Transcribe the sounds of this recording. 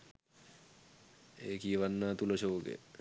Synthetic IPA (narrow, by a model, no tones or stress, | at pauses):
eːkijəʋanːaːt̪uləʃoːɡḛ